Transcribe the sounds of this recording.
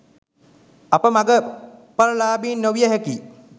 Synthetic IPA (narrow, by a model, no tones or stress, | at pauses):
apəmaɡəpaɾəlaːbiːnːoʋijəɦɛkiː